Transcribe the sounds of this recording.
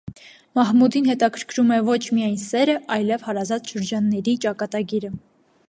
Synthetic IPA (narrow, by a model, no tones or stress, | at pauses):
mɑɦmud̪inhɛt̪ɑkʰəɾkʰɾumɛvɔt͡ʃʰmijɑjnsɛɾəʔɑjlɛvhɑɾɑzɑt̪ʃəɾd͡ʒɑnːɛɾit͡ʃɑkɑt̪ɑɡiɾə